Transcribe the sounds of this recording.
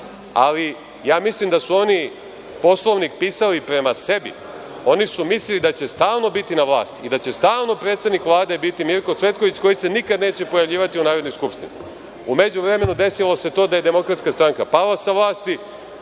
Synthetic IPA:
a̰li | jaːmislimd̪asuo̞ni | po̞slˠoʋnik̚piːsalipɾe̞mase̞bḭ | o̞nisumislilid̪at͡ɕe̞st̪aːlno̞bit̪inaʋlˠa̰ːst̪id̪at͡ɕe̞st̪aːlno̞pɾe̞ːt̪st̪ed̪nikʋlˠaːd̪e̞bit̪imiɾkot̪sʋe̞t̪ko̞ʋit͡ɕko̞jise̞nikad̪neːt͡ɕepojaʋʎiːʋat̪iunaːɾod̪nojskupʃt̪inḭ | ume̞d͡ʑuʋɾe̞me̞nud̪e̞silo̞se̞t̪o̞ːd̪aje̞d̪e̞mo̞kɾat̪skast̪ɾaŋkapalasaʋlˠaːst̪i

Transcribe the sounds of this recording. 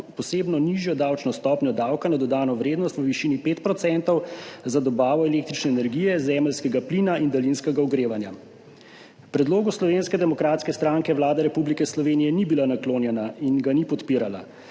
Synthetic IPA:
pɔseːbnɔniʒjɔd̪aːwt͡ʃnɔst̪ɔːpnʲjɔd̪aːwkanad̪ɔd̪aːnɔʋɾeːd̪nɔst̪ʋəʋiʃiːnipeːt̪pɾɔt̪sɛnt̪ɔwzad̪ɔbaːʋɔɛleːk̚t̪ɾit͡ʃnɛːnɛɾɡiːjɛzɛːməlskɛɡapliːnaʔind̪alinskɛɡauɡɾeːʋanja | pɾɛd̪loːɡuslɔʋeːnskɛd̪ɛmɔkɾaːt̪skɛst̪ɾaːŋkɛʋlaːd̪ɛɾɛpublikɛslɔʋeːnijɛnibilanakloːnjɛnainɡanipɔt̪piːɾala̰

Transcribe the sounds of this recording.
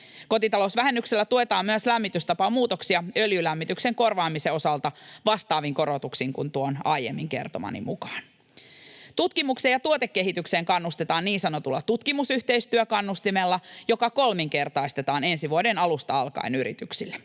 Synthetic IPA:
ko̞t̪it̪ɑlosʋæɦe̞nːykselːæt̪ue̞t̪ɑːmmyæslæmːit̪yst̪ɑpɑmuːt̪oksiɑøljylæmːit̪ykse̞ŋko̞rʋɑːmise̞o̞sɑlt̪ɑʋɑst̪ɑːʋiŋko̞ɾot̪uksiŋkunt̪uonɑ̰jḛmːiŋke̞̰rt̪omɑ̰nḭmukɑ̥ːn | t̪ut̪kimuksejɑt̪uot̪ekːe̞ɦit̪ykse̞ːŋkɑnːust̪et̪ɑːnniːnsɑnot̪ulːɑt̪ut̪kimusyht̪eist̪yøkɑnːust̪imelːɑjo̞kɑko̞lmiŋke̞rt̪ɑist̪e̞t̪ɑːne̞nsiʋuodenɑlust̪ɑɑlkɑ̰inyɾḭt̪yksilːe

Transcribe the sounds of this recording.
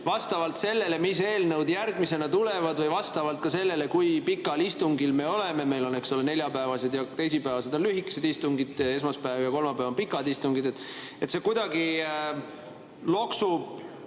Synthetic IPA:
vɑst̪ɑvɑlt̪se̞lːe̞le̞mis̬e̞ːlnəwd̪jærɡmise̞nɑt̪ule̞vɑd̪vɤjvɑst̪ɑvɑlt̪̚kɑse̞lːe̞le̞kujpikːˑɑlist̪uŋɡilme̞o̞le̞me̞me̞jlo̞ne̞kso̞lene̞lʲjɑpæevɑse̞d̪jɑt̪e̞js̬ipæevɑse̞d̪o̞nlyɦikːˑe̥se̞d̪̥ist̪uŋɡid̪̥e̞smɑspæevjɑko̞lmɑpæːvonpikːˑɑd̪ist̪uŋɡ̥id̪et̪ːˑet̪se̞kujd̪̥ɑɡi | lo̞ksub̥

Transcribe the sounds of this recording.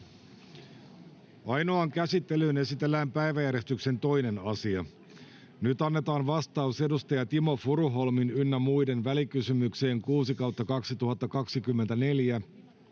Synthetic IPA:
ɑjno̞ɑŋkæsit̪ːe̞lyːne̞sit̪e̞lːæːmpæjʋæjæɾe̞st̪ykse̞nt̪o̞jne̞nɑsiɑ | nyt̪ɑnːet̪ɑːnʋɑst̪ɑuse̞dust̪ɑjɑt̪imo̞fuɾuɦo̞lminynːæmujde̞nʋælikysymykse̞ːŋkuːsikɑwt̪ːɑkɑksit̪uɦɑt̪ːɑkɑksikymːent̪æne̞ljæ

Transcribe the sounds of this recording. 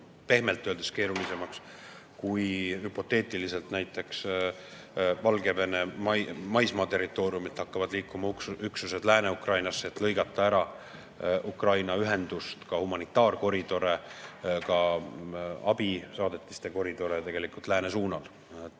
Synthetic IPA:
pe̞hme̞lt̪ːˑøld̪eske̞ːɾulise̞mɑks | kujhypo̞t̪ːˑe̞ːt̪ˑilise̞lt̪næjt̪ːˑe̞ks | vɑlɡe̞vene̞mɑmɑjsmɑːt̪e̞rːit̪ːˑo̞ːɾjumit̪hɑkːɑvɑd̪liːkːˑumɑkyksuse̞d̪læːne̞ukrɑjnɑsːeet̪lɤ̞jɡɑt̪ːˑɑæɾɑ | ʔukrɑjnɑyɦe̞nd̪̥ust̪kɑhumɑnit̪ːˑɑːrko̞ɾid̪̥o̞ɾe̞kɑ | ɑb̥isɑːd̪e̞t̪ˑːi̥st̪e̞ko̞ɾid̪̥o̞ɾet̪e̞ɡ̥e̞likult̪ˑlæːne̞suːnɑl

